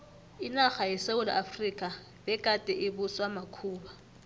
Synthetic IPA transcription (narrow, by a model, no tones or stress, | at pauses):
inaχajɛseʊlaʔafrikʼa | bɛkʼatʼɛʔɪbʊswamakʰuːba